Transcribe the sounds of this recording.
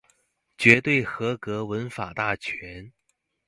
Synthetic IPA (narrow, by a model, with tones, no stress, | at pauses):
t͡ɕɥɛ˧˥t̪we˥˩ɪxɤ˧˥kɤ˧˥wə˧˥nfa˨˩t̪a˥˩t͡ɕʰɥɛ˧˥n